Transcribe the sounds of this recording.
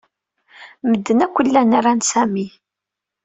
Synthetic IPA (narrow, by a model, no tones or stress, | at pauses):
məd̪ːənækʷːəlːænaɾˤansæmi